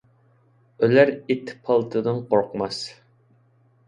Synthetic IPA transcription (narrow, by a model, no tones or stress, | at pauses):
ølæɾet̪ʰːɪ̥pʰɑlˠt̪ʰɨd̪ɨnqoɾqmɑs